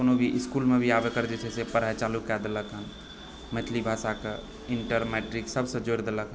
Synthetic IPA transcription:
konobʱiʔiskulmebʱiabekəɾd͡ʒet͡ʃʰɛsepəɾaet͡ʃalukɛd̪eləkɦən | met̪ʰlibʱasake | iɳʈəɾmɛʈɾiksəbʱsə̃d͡ʒoɾd̪eləkɦən

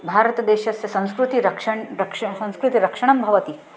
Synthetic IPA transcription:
bʱaːɾɐt̪d̪eːɕɐsjɐsɐ̃w̃skɾut̪iɾɐkʂɐɳɾɐkʂɐsɐ̃w̃skɾut̪iɾɐkʂɐɳ̃ɐmbʱɐʋɐt̪i

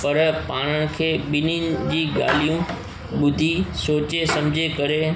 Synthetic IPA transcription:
pɐɾpaːɽ̃əɽ̃ɪ̆kʰeːɓɪninɪ̆d͡ʑiːɡa̰ːl̤ijũ | ɓʊd̪ʱisoːt͡ɕesɐ̃mɪd͡ʑʱekɐɾe

